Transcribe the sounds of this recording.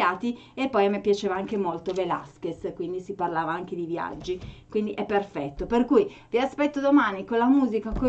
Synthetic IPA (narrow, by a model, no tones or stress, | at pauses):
aːt̪i | epːɔjmepjat͡ʃeːvaaŋkemolt̪ovela̰skeskwind̪isiparlaːvaaŋk̟ed̪ivja̰d͡ʒːikwind̪iʔɛpːerfɛt̪ːoperkujviaspɛt̪ːod̪omaːnikonlamuːzikako